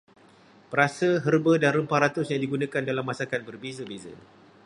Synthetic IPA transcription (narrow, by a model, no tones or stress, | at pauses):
pəɾasəɦərbədanrəmpaɾat̪ʊsɲãdiɡunãkandalamːasakan̚bərbezəbezə̰